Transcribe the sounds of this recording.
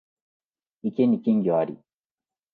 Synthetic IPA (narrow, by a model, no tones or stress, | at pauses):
ikinikiŋɡiwaɾḭ